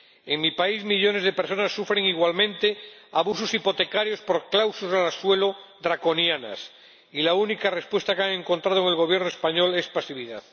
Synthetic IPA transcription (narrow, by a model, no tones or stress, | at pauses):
eŋmipaizmiʎo̞ne̞zðe̞peɾso̞nasːufɾe̞ŋiɣwalmẽnt̪e̞aβususipo̞t̪e̞kaɾjo̞spo̞ɾklawsozalaswe̞loðɾako̞njana̰s | ilaunikare̞spwe̞st̪akeaŋẽ̞ŋko̞nt̪ɾað̞oeŋelɣ̞o̞β̞je̞ɾnoespaɲo̞le̞spasiβiðað